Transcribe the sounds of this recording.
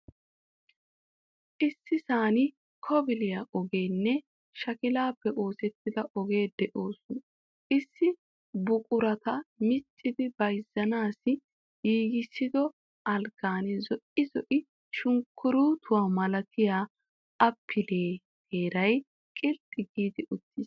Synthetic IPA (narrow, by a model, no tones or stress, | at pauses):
ʔɪsːɪsaːnɪ | kʰɔbɪlɪjaʔɔɡeːnːɛ | ʃɐkɪlaːpːɛʔo̞ːsɛt̪ːɪd̪ɐʔɔɡe̞ːd̪ɛʔo̞ːsʊn | ʔɪsːɪ | bʊkʼʊɾɐt̪ɐmɪt͡ʃʼːɪd̪ɪbɐjzːɐnaːsɪ | jiːɡɪsːɪd̪ɔ | ʔɐlɡ̥aːnɛzɔʔɪzɔʔɪ | ʃʊŋkʰːʊɾuːt̪ʰʊwaːmɐlɐkʰɪjaː | ʔɐpʰːɪleː | ɡeːɾɐj | kʼɪlt̪ʼːɪɡiːd̪ɪʔʊt̪ːɪs